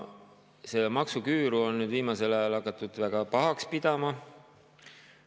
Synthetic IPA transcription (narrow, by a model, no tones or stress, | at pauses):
se̞lmɑksukyːɾuo̞nnyːd̪̥viːmɑse̞lɑjɑlhɑkːˑɑt̪ːˑud̪̥væɡ̥ɑpɑɦɑkspid̪̥ɑmɑ